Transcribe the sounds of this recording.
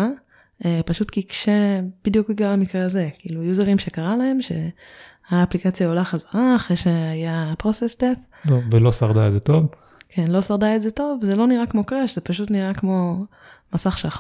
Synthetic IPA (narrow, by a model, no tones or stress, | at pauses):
epaʃutkikʃeb̥id̪juk̚biɡlalamikʁeaze̞kiilujuzeʁimʃe̞kaʁalae̞mʃe̞̰ | aːplikat͡sjaolaχazaʁaχeʃeajapʁosest̪eflovelosaʁd̪aezet̪o̞v | kʰe̞nlo̞saʁd̪aezeto̞vzelo̞niʁakmo̞kʁeʃzepaʃut̪niʁakmo̞ | masaχʃeaχ